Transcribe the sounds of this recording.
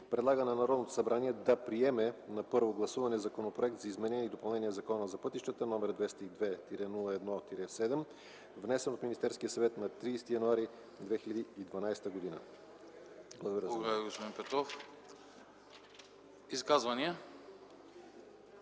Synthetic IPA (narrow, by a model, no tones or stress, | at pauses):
pɾɛd̪lˠaɡənɐnɐɾɔd̪not̪o̥sɐbɾaniɛd̪ɐpɾiɛmɛnɐpɤɾvoɡlˠɐsuvɐnɛzɐkonopɾoɛk̚t̪zɐizmɛnɛnʲɛid̪opɐlˠnɛniɛzɐkɔnəzɐpɤt̪iʃt̪ət̪ənɔmɛɾd̪vɛst̪əid̪vɛt̪iɾɛnulˠəɛd̪nɔt̪iɾɛsɛd̪ɛm | vnɛsɛnot̪minist̪ɛɾskʲijəsɐvɛt̪nɐt̪ɾiːst̪ijɐnuaɾi | d̪vɛxilʲəd̪iːd̪vɐnajst̪əɡod̪inə̰ | blˠəɡod̪əɾʲaiɡospod̪inpɛt̪ɾɔf | iskazvɐniə